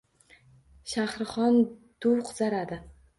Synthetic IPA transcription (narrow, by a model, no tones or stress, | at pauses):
ʃahɾχɒnd̪̥ʊwqʰʊzaɾad̪ɪ